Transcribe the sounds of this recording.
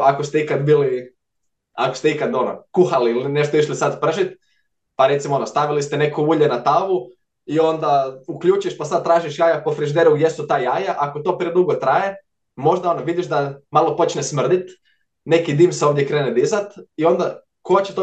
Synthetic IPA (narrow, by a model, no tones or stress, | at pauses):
akost̪eikad̪biːli | akost̪eikad̪o̞no̰kuxaliilineʃt̪oiʃlisad̪pr̩ʒit̪ | paɾe̞t̪simoonost̪aʋilist̪ene̞kuuːʎenat̪aːʋu | io̞nd̪aukʎuːt͡ʃujeʃpasad̪̚t̪ɾaːʒiʃjaːjapo̞fɾiʒd̪eɾuɡje̞sut̪aːjajaʔakot̪o̞ːpɾied̪uɡo̞t̪ɾaje̞ | mo̞ʒd̪ao̞noʋid̪iʃd̪amalˠo̞po̞t͡ʃnesmr̩d̪it̪ | ne̞kid̪iːmseoʋd̪jekɾeːned̪izat̪io̞nd̪a | koat͡ɕet̪o